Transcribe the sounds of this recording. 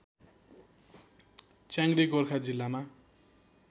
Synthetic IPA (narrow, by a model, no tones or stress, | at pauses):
t͡sãŋɡɾikorkʰad͡zilːama